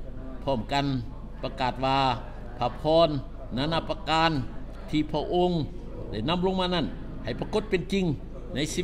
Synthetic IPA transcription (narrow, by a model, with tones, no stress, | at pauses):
pʰɔː˧˩˨mka˧n | pa˧kaː˨˩t̪̚waː˧ | pʰaː˧pʰɔː˧˥˨nː | aː˧na˧˨pa˧kaː˧n | t̪ʰiː˧pʰɔː˧˩ʔo˧ŋ | da˧˩jna˧˥˨mlo˧ŋmaː˧na˧˥˩n | ha˨˩jpa˧ko˧˥t̪̚pe˧˨nt͡ɕi˧ŋ | na˧˥˨jsiː˧˥